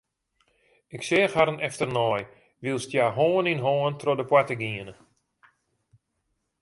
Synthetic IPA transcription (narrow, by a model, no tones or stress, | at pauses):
ɪksɪːəxhaɾənɛftərnɔj | ʋilˠstjaːɦoːəninɦoːəntrodəpwatəɡiənə